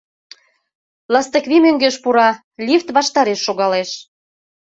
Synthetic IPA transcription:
lɑst̪ə̆kβʲimøŋɡeʃpuɾɑ | lʲift̪βɑʃt̪ɑɾeʃːoɣɑleʃ

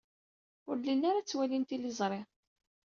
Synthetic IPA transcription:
ʊɾlinːaɾat͡sːwælint̪ilizˤɾˤe

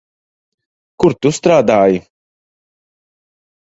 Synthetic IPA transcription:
kuɾt̪ust̪ɾaːd̪aːji

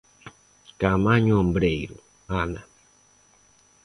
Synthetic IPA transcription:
kamaɲɔmbɾeiɾṵ | ana

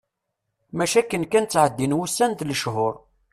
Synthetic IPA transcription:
mæʃækːənkænt͡sːʕəd̪ːinwusːænt̪ləʃhʊɾˤ

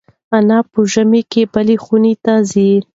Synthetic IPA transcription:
anɑpəʒəmekebəlexunet̪azi

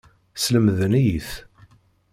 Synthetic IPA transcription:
sləmðənijiθ

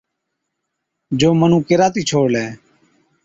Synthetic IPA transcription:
d͡ʒoːmənũːkɪɾaːt̪iːt͡ʃʰoːɽlɛː

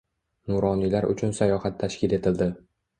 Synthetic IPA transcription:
nʊɾɒnilaɾʊ̰t͡ʃʰʊnsajɒhat̪ʰːaʃkʲɪle̞t̪ʰɪld̪ɪ

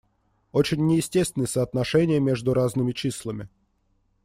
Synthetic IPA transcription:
ot͡ɕɪnʲːɪjɪsʲtʲest̪vʲnəjəsəːt̪nɐʂɛnʲɪjəmʲeʐd̪ʊɾaznɨmʲɪt͡ɕisʲlˠəmʲɪ

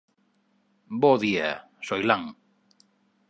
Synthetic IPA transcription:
boðia | sojlaŋ

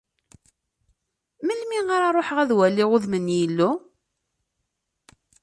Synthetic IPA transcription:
məlmiaɾaɾˤoħʁæðwælːiʁʊðmənːjəlːu

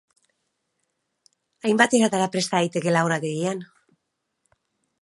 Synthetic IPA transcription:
ajmbat̪eɣat̪aɾapɾe̞st̪aɣajt̪e̞ke̞laoɾat̪eɣian

